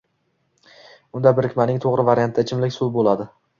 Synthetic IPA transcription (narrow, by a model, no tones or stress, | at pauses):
ʊnd̪abɪɾɪkʲmanɪŋt̪ʰoʁɾɪvaɾʲijant̪ʰːat͡ʃʰɪmlɪkʲsulbolˠad̪ɪ